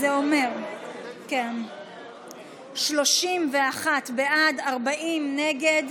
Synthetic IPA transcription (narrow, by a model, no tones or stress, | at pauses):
eo̞me̞ʁken | ʃlo̞ʃimve̞aχat̪beʔadaʁbaimneɡe̞d